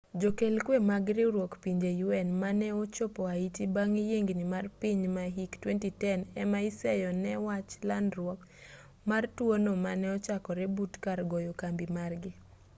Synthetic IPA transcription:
d͡ʒokelkwemaɡɾɪɾwokpiɲd͡ʒejuɛnmanɛɔt͡ʃopɔaitibaŋjeŋɡnɪmarpiɲmaɦiktwentitɛnɛmaisɛjɔnɛwat͡ʃlandɾwɔk | martwonomanɛɔt͡ʃakɔɾɛbutkarɡɔjɔkambimarɡɪ

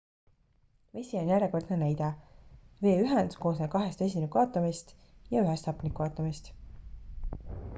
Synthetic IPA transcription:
ve̞sʲionjæɾeko̞rd̪̥nenæjd̪ɑ | ve̞ːyɦɛnd̪̥ko̞ːsne̥kɑɦe̞st̪es̬ʲimenukɑːt̪ːˑɑmist̪ | jɑyɦest̪ɑpˑnikːˑuɑːt̪ːˑumist̪

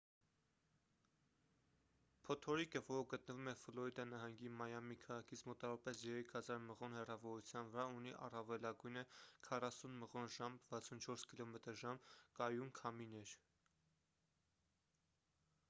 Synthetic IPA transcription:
pʰɔt̪ʰɔɾikəvɔɾəɡət̪̚nəvumɛflɔid̪ɑnɑɦɑŋɡimɑjɑmikʰɑʁɑkʰit͡sʰmɔt̪ɑvɔɑpɛsjɛɾɛkʰhɑzɑɾməʁɔnhɛrɑvɔɾut͡sʰjɑnvəɾɑuniʔɑ̰rɑvɛlɑɡujnəkʰɑrɑsunməʁɔnʒɑmvɑt͡sʰunt͡ʃʰɔɾskilɔmɛt̪əɾʒɑmkɑjunkʰɑminɛɾ

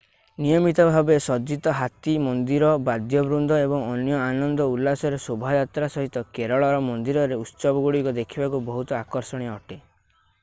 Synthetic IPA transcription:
nijɔmit̪ɔbʱabesɔd͡ʒit̪ɔɦat̪imɔnd̪iɾɔbad̪jɔbɾund̪ʱɔebɔŋɔnjɔanɔnd̪ɔulːasɔɾesobʱajat̪ɾasɔɦit̪ɔkeɾɔɭɔɾɔmɔnd̪iɾɔɾeut̪ːsɔbɔɡuɽikɔd̪ekʰibakubɔɦut̪ɔakɔɾsɔɽ̃iɔʈe

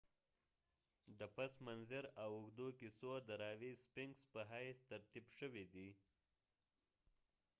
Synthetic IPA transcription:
d̪əpasmanzɪɾawʊxd̪okisod̪əɾɑwispɪŋɡspəɦajst̪aɾt̪ibʃəwid̪i

